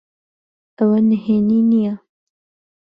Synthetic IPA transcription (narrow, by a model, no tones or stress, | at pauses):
awanheninija